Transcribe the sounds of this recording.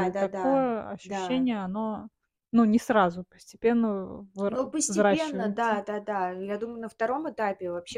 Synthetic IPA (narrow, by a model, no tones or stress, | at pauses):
d̪ɐakojəɐ̰ɕːʉɕːenʲɪjəɐno̞ | nunʲɪsɾazʊpə̥sʲtʲɪpʲe̞nːəvɨupəsʲvzʲɾaɕenːəd̪ad̪ad̪ajad̪umʊjʊnəft̪ɐɾo̞mɨt̪apʲɪvɐpɕːe